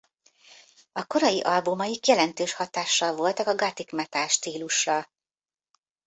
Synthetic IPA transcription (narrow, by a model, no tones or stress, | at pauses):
ɒko̞ɾɒjiʔɒlbumɒjikjɛlɛnt̪øːʃhɒt̪aːʃːɒlvo̞lt̪ɒkɒɡɒt̪ikmɛt̪aːʃt̪iːluʃrɒ